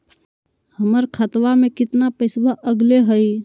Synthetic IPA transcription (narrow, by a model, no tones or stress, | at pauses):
həməɾkʰət̪wamekɪt̪napəɪsbəʔəɡleɦəj